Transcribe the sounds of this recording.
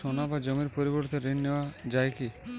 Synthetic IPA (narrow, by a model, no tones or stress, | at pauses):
onabad͡ʑomiɾpoɾiboɾt̪eɾenneoad͡ʑajki